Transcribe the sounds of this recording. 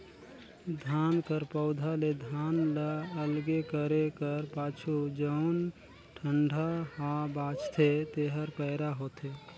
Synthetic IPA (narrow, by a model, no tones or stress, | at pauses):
d̪ʱankəɾpəʊd̪ʱaled̪ʱanləəlɡekəɾekəɾpat͡ʃʰud͡ʒəʊn | ʈʰəɳɖʱahabat͡ʃt̪ʰet̪eɦəɾpəɪɾaɦot̪ʰe